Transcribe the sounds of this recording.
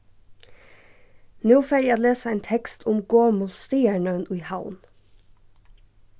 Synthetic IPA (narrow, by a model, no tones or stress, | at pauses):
nuːfæɾjɑːd̪leːsəæːnt̪ʰɛkst̪ʰʊmɡoːmʊst̪iːəɳənʔʉɪhaʊn